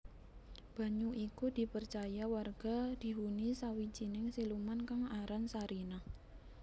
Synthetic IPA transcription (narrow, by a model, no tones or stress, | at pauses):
b̥a̤ɲuʔikud̪̥i̤pərt͡ʃajawarɡ̥a̤d̪̥i̤ɦunisawid͡ʒinɪŋsilumankaŋaɾansaɾina